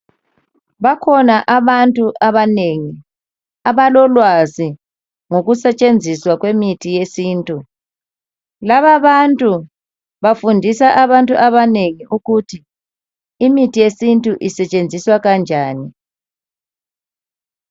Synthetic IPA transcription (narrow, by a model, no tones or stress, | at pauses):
βakʰɔnaʔaβantʼuʔaβaneŋi | aβalɔlwazi | ŋoɣusɛt͡ʃʼend͡zʱiswaɣwemitʰijesiːntʼu | laβaβantʼu | βafundʱisaʔaβantʼuʔaβaneŋiʔuɣutʰi | imitʰijesintʼuʔisɛt͡ʃʼend͡zʱiswaɣand͡ʒʱaːni